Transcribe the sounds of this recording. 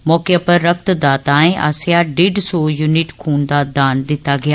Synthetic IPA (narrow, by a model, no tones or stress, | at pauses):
mɔːkejapəɾːək̚t̪d̪aːt̪aːẽːʔa̰ːsɪjaɖɪɖsoːjunɪʈkʰuːnd̪aːd̪aːnd̪ɪt̪ːaːɡɪjaː